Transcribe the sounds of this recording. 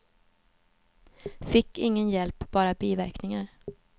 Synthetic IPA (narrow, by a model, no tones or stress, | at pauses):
fɪkːɪŋːənjɛlpb̥ɑːɾabiːvæɾknɪŋaɾ